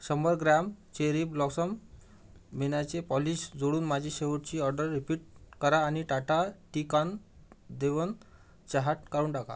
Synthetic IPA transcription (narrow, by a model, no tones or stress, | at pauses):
ɕəmbəɾɡɾamt͡ɕeɾiːblɔksəmː | enat͡sepɔliɕd͡zoɽuːnmad͡ʑʱiɕeʋəɾt͡ɕiːɔɾɖəɾːipiːʈ̚kəɾaːniʈaʈaʈikand̪eʋən | t͡ɕaɦaʈkaɾuːɳʈaka̰